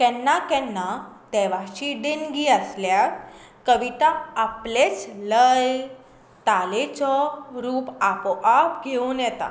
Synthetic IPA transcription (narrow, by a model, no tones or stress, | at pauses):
kɛnːakɛnːad̪ɛʋaɕiɖenɡiəslja | kəʋiʈaːplet͡sləj | t̪alet͡sɔɾuːpapɔʔapɡʱeunjɛt̪a̰